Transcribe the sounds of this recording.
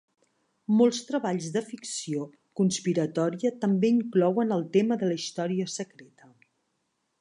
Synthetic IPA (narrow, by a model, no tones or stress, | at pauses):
molˠst̪ɾəβaʎzðəfiksio | kunspiɾət̪ɔɾiət̪əmbeiŋklɔwənəlˠt̪eməðələist̪ɔɾiəsəkɾet̪ə